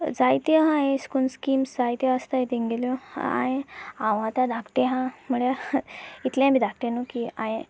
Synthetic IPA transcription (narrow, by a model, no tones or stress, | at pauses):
d͡zajt̪jəɦãɦeskunskiːmsd͡zajt̪jə̃ast̪aɦet̪eŋɡeljoa̰jẽãwɦãt̪jad̪ʱakʈ̪eɦãmuɭja | it̪ljãbiːd̪ʱak̚ʈ̪enokia̰jẽ